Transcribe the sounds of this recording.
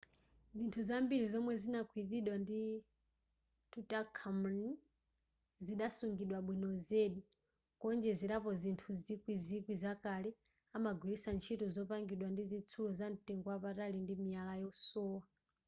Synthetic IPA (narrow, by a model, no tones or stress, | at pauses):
zintʰuzambilizɔmwɛzinakʰwiθiɗwandi | tutakʰamni | ziɗasuŋɡiɗwaɓwinɔzɛɗi | kɔnd͡ʒɛziɾapɔzintʰuzikwizikwizakalɛ | amaɡwilisant͡ʃʰitɔzɔpaŋɡiɗwandizit͡sʰulɔzantiŋɡwapatalindimialajɔsɔːwa